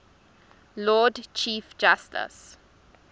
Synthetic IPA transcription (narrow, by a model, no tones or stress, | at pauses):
lɔːdt͡ʃʰiːfd͡ʒastə̰s